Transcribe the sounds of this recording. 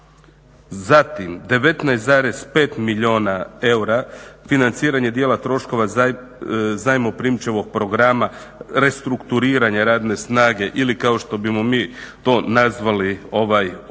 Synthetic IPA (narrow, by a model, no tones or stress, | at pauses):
zat̪imd̪e̞ʋe̞t̪najst̪zaːɾe̞spe̞ːt̪miʎo̞ːnae̞wɾafinant̪siːɾaɲe̞d̪jeːlˠat̪ɾo̞ʃko̞ʋa | zajmopɾimt͡ʃe̞ʋo̞ɡ̚pɾo̞ɡɾama | ɾe̞st̪ɾukt̪uɾiːɾaɲaɾaːd̪ne̞snaːɡe̞ʔilikao̞ʃt̪o̞bimomiːt̪o̞nazʋalio̞ʋaj